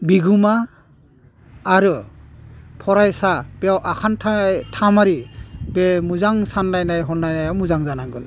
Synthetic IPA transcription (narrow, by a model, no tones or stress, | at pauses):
biɡuma | ɾɯ | pʰɔɾajsab̥eawʔakʰantʰtʰamaɾibemuzaŋsanːajnajɦɔnːajnajawmuzaŋzanaŋɡɯn